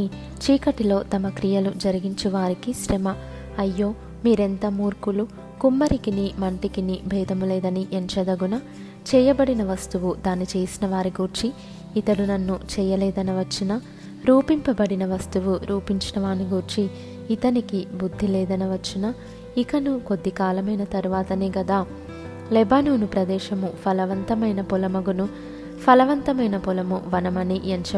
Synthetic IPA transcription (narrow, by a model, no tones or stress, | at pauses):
i | t͡ʃiːkɐʈilo̞ːt̪ɐmɐkɾijɐlud͡ʒɐɾiɡiɲt͡ʃiʋaːɾikiʃɾemɐ | ɐjːo̞ː | miːɾent̪ɐmuːɾkulu | kumːɐɾikinimɐɳʈikinibʱɛːd̪ʱɐmulɛːd̪ɐniʔent͡ʃɐd̪ɐɡunɐ | t͡ʃɛːjɐbɐɽinɐʋɐst̪uʋud̪aːnit͡ʃeːsinɐʋaːɾiɡuɾt͡ʃiː | t̪ɐɽunɐnːut͡ʃɛːjɐlɛːd̪ɐnɐʋɐt͡ʃːinɐ | ɾuːpimpɐbɐɽinɐʋɐst̪uʋuɾuːpiɲt͡ʃinɐʋaːniɡuɾt͡ʃiː | t̪ɐnikibud̪ʱːilɛːd̪ɐnɐʋɐt͡ʃːinɐ | ikɐnuko̞d̪ːikaːlɐmɐjnɐt̪ɐɾuʋaːt̪ɐneːɡɐd̪aː | lɛbaːnuːnupɾɐd̪ɛːʃɐmupʰɐlɐʋɐnt̪ɐmɐjnɐpulɐmɐɡunu | pʰɐlɐʋɐnt̪ɐmɐjnɐpulɐmuʋɐnɐmɐnieɲt͡ʃɐ